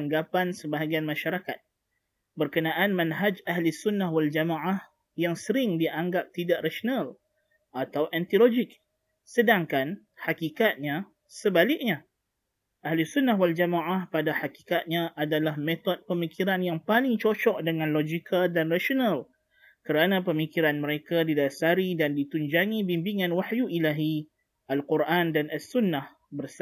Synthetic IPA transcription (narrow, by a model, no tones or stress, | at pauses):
ŋɡapansəbaɦaɡianmãʃaɾakat̪̚ | bərkənãʔanmãnɦad͡ʒaɦlisunːahwald͡ʒamaʔah | jaŋsəɾɪŋdiʔaŋɡap̚t̪idaʔraʃonal | ʔat̪awʔɛnt̪ilod͡ʒɪk̚ | sədaŋkan | hakikat̪̚ɲã | səbalɪk̚ɲã | ʔahlusunːaɦwald͡ʒamaʔahpadahaki̥kat̪̚ɲãʔadalahmet̪ɔt̪̚pəmikʰiɾanjaŋpalɪŋt͡ʃot͡ʃɔʔdəŋãnlod͡ʒikʰadanraʃonal | kəɾanãpəmikiɾanməɾekadidasaɾidandit̪uɲd͡ʒaŋĩbimbiŋãnwaħjuʔilaɦi | alkuɾʔandanasunːah | bərs